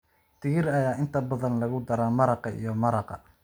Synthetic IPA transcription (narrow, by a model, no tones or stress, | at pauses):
t̪ʰɪɣɪɾɐjaːʔɪnt̪ʰɐbɐðɐnlɐɣʊd̪ɐɾaːmɐɾɑqɑḭjɔmɐɾɑqɑ̰